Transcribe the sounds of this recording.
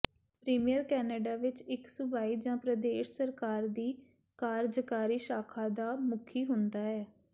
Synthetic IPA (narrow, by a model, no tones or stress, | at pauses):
pɾiːmijəɾkɛːnɛːɖaːʋɪt͡ʃɪksʊbaːiːd͡ʒãːpɾəd̪eːʃsəɾkaːɾd̪iː | kaːɾd͡ʒəkaːɾiːʃaːkʰaːd̪aːmʊkʰiːɦʊnd̪aːɛː